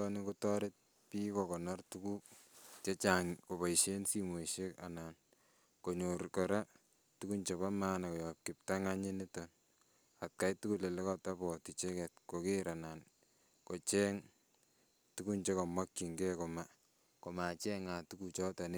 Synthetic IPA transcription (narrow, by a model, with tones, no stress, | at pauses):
ɔni˦ko˦tɔɾɪ˦t̚ | pi˦kɔkɔ˨nɔ˦rtuku˦t͡ʃe˦t͡ʃaŋko˨pa˨iʃe˦nsimo˨ʃe˦ka̰˨na˨n | ko˨ɲoɾkɔ˨ɾa˦ | tu˦ku˦nt͡ʃeβa˦maː˦na˨kɔ˨jɔ˨p̚kɪ˨p̚ta˦ŋa˦ɲe˦ne˦tɔn | a˨t̚ka˦jtu˦kule˨le˦kɔ˦ta˦pɔ˨ti˨t͡ʃe˦kɛ˨t̚kokeɾa˨nan | ko˨t͡ʃɛ˦ŋ | tuku˦nt͡ʃe˦kɔ˨mwa˦kːi˨ŋɡɛ˦ko˨ma | ko˨ma˨t͡ʃɛ˦ŋa˨tu˦kut͡ʃɔ˦ta˨ne